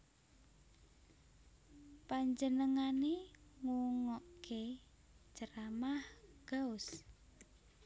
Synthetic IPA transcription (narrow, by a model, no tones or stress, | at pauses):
paɲd͡ʒənəŋaneŋuŋɔʔkʰe̥ | d͡ʒ̥əɾamahɡ̥aʊs